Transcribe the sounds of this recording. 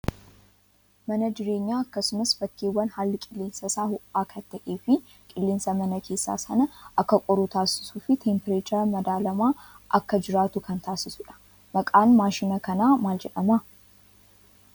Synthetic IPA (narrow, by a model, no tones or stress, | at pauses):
mɐnɐd͡ʒɪɾe̞ːɲːaːɐkːɐsʊmɐsfɐkːeːwːɐnhaːlːɪkʼɪlːeːnsɐsaːhʊʔaːkʰɐt̪ːɐʔeːfɪ | kʼɪlːeːnsɐmɐnɐkʰe̞ːsːa̰ːsɐnɐʔɐkːɐkʼɔɾuːt̪aːsɪ̥suːfɪt̪ʰempɾeːt͡ʃɐɾmɐd̪aːlɐmaː | ʔɐkːɐd͡ʒɪɾaːt̪ukʰɐnt̪aːsɪsʊᶑɐ̥ | mɐkʼaːnmaːʃɪnɐkɐnaːmaːld͡ʒɛᶑɐma